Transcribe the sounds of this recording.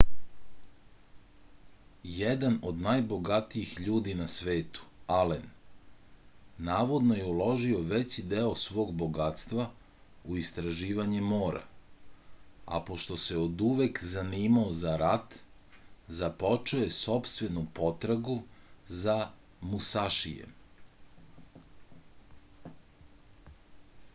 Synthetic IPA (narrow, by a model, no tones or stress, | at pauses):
jed̪ano̞d̪najbo̞ɡat̪iixʎuːd̪inasʋe̞ːt̪u̥alen | aːʋo̞d̪no̞jeulo̞ʒio̞ʋe̞t͡ɕid̪eo̞sʋo̞ːɡbo̞ɡat̪st̪ʋa | uist̪ɾaʒiːʋaɲemo̞ːɾa̰ | a̰po̞ʃt̪o̞se̞od̪uʋekzaniːmaozaɾat̪ | zapo̞t͡ʃoje̞so̞pst̪ʋe̞nupo̞t̪ɾaɡuza | musaʃḭjḛm